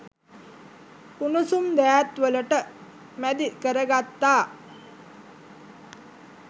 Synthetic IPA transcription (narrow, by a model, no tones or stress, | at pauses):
punusumd̪æːæt̪ʋələʈə | mæd̪ikəɾəɡat̪ːaː